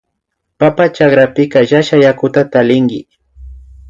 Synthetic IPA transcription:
papat͡ʃakɾapɪkaʒaʃajakʊt̪at̪alɪŋɡɪ̰

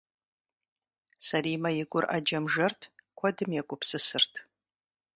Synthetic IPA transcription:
sɐriːmɐjɪɡʷʊrʔa̰d͡ʒɐmʒɐrtʰkʷʰɔdɨmjɛkʷʼʊpsɨsɨrtʰ

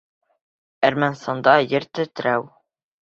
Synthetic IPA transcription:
æɾmænst̪ɑnd̪ɑjɘɾt̪ɵ̆t̪ɾæw

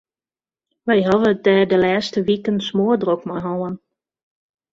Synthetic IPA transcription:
ʋɛjɦɑvətɛːdəlɛːstəʋikənsmoədrokmɔɦɔːən

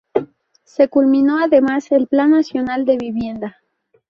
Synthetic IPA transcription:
se̞kulmĩno̞aðe̞mase̞lplanːasjo̞nald̪e̞βiβje̞nd̪a

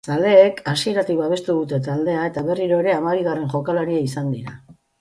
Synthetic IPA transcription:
sald̪e̞ːkasie̞ɾat̪ik̚baβ̞e̞st̪uðut̪e̞t̪ald̪e̞ae̞t̪aβe̞riɾo̞e̞ɾe̞amaβiɣ̞are̞ŋʝo̞kalaɾiaisand̪iɾa

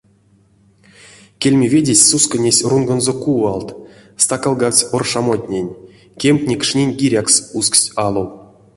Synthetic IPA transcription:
kʲelʲmʲevʲedʲesʲsuskənʲesʲrunɡonzokualˠt̪st̪akalˠɡasʲorʂamot̪ʲnʲenʲ | kʲemkʲnʲekʂnʲenʲɡʲiɾʲaksusksʲɑlˠow

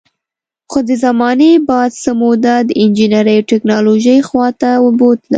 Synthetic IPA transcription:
xod̪əzamɑnebɑd̪səmod̪ad̪əɪnd͡ʒinaɾəjʈɪknɑloʒəjxwɑt̪awəbot̪la̰

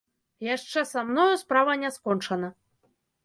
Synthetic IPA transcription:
jaʂt͡ʂɛsamnɔjɐspɾavɐnʲɛskɔnt͡ʂɐnɐ

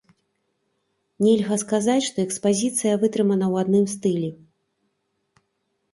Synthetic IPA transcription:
nʲɛlʲɣɐskazat͡sʲʂt̪ɔɛkspazʲit̪sɨjɐvɨt̪ɾɨmɐnɐwad̪nɨmst̪ɨlʲɛ

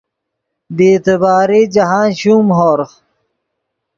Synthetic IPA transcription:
b̪eːt̪ebaːɾiːd͡ʑɐɦaːnɕuːmɦoːɾx

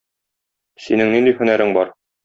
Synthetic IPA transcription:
sinɘŋnind̪ihɵ̆næɾɘŋbɒɾ

